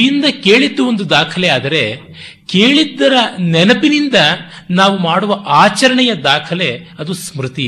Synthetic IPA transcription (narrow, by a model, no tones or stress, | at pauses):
ind̪ɐke̞ːɭid̪ːuond̪ud̪aːkʰɐlɛaːd̪ɐɾe̞ | keːɭid̪ːɐɾɐnɛnɐpinind̪ɐ | naːʋumaːɽuʋɐʔaːt͡ʃɐɾɐɳɛjɐd̪aːkʰɐle̞ɐd̪usmɾut̪i